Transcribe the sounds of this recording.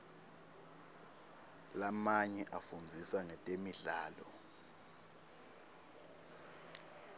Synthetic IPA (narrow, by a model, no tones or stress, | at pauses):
lamaɲɛʔafund͡zʱisaŋɛtʼemiɮaːlɔ